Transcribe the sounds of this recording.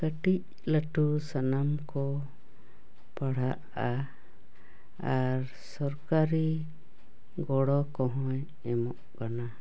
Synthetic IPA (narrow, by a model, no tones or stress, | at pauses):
kəʈic̚ | ləʈusanamkɔ | paɽ̤aʔ | a | aɾ | sɔɾkaɾi | ɡɔɽɔkɔɦɔ̃j | ɛmɔʔkana